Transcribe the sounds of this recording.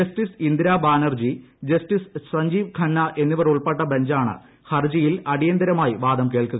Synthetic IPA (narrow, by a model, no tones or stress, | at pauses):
ɐstisind̪iɾaːbaːnɐrd͡ʑid͡ʑɐstissɐɲd͡ʑiːʋkʰɐnːɐʔe̞nːiʋɐruɭpɐʈːɐbeɲd͡ʑaːɳɨ̰ | hɐrd͡ʑijilɐɽijɐnd̪ɐɾɐmaːjiʋaːd̪ɐmkeːɭkuɣɐ